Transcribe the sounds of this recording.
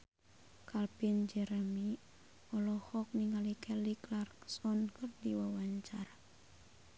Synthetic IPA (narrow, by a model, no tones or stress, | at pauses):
kʰalpind͡ʒɛɾəmi | ɔlɔhɔk̚niŋalikɛliklarksɔnkɨrdiwawaɲt͡ʃaɾa